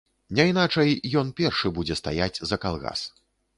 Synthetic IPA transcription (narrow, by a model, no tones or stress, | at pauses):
nʲɛjnat͡ʂɐjjɔnpʲɛrʂɨbud͡zʲɛst̪a̰jad͡zʲzɐkalˠɣa̰s